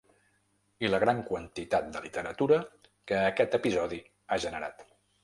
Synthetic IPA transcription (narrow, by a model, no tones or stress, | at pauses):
iləɣɾaŋkwənt̪it̪at̪̚d̪əlit̪əɾət̪uɾə | kəːkɛt̪əpizɔði | aʒənəɾa̰t̪